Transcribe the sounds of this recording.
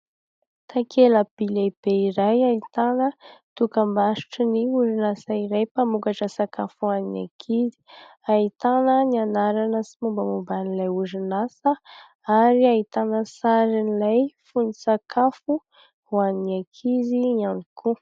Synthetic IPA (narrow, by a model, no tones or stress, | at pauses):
t̪akʰeləb̥ileb̥eiɾajait̪anət̪ukəmbaʃi̥ʈ͡ʂiniuɾinasaiɾajpamukaʈ͡ʂəsakafuanina̰kʰizi̥ait̪anənianaɾanəsimumbəmumbanilajuɾinasə | aɾiait̪anəsaɾinilajfunisakʰafu | hwaninakʰiziianikʰu